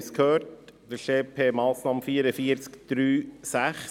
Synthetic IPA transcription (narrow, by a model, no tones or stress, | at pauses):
skhøːɾtd̥əɾʃeːpʰeːmɑːsnɑːmfiːɾəfiəɾt͡skd̥ɾyːsæχ